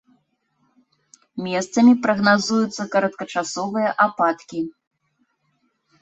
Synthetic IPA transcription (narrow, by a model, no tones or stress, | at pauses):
mʲɛst̪sɐmʲipɾɐɣnazujut̪sːɐkɐɾɐt̪̚kɐt͡ʂasɔvɨjɐʔapat̪kʲi